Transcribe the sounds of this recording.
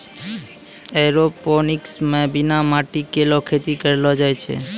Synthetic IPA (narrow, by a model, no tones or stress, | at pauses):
eɾoponiksmẽbinamaʈikelokʰet̪ikəɾelod͡ʒajt͡ʃʰḛ